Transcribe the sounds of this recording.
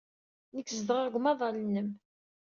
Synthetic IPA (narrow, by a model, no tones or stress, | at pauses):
nəkːzəd̪əʁæɡʷmɑðˤɑlənːəm